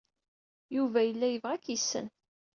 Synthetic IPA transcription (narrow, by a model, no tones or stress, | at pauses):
juvæjəlːæjəvʁækjisːə̰n